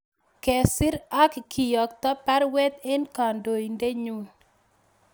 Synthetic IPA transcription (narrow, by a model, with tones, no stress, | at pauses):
kɛ˨sɪ˦ɾa˦kkʰi˨jɔ˨k̚t̪ɔ˦pa˦ɾwɛ˦t̪e˦nka˨ndo˨i˨nde˦ɲu˦